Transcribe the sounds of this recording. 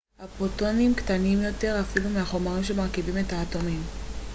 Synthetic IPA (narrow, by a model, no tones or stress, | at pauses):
hapotonimktanimjo̞te̞ʁafilumeaχo̞maʁimʃemaʁkivime̞taːto̞mim